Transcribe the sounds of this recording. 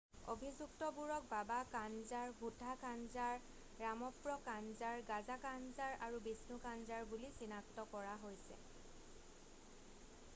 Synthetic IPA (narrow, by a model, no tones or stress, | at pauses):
o̰bʱizuktɔbuɹɔk̚babakanzaɹbʱutakanzaɹː | amɔpɹɔkanzaɹɡazakanzaɹaɹubisnukanzaɹbulisinaktɔkɔɹaɦojsɛ̰